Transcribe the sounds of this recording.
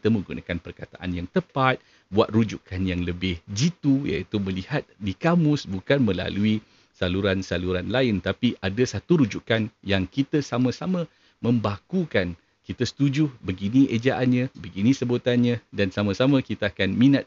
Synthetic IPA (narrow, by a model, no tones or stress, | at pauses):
kit̪əmə̃ŋɡunãkanpərkat̪a̰ʔanjaŋt̪əpat̪̚ | buat̪̚rud͡ʒukanjaŋləbɪhd͡ʒit̪uja̰it̪umə̃lihat̪̚dikamʊsbukanmə̃la̰lui | saluɾansaluɾanlaɪnt̪apiʔadasat̪uɾud͡ʒukanjaŋkit̪əsamãsamã | mə̃mbakukan | kit̪əsə̥t̪ud͡ʒʊhbəɡinĩed͡ʒaʔanɲãbəɡinĩsəbot̪anɲãdansamãsamãkit̪aakanmĩnat̪̚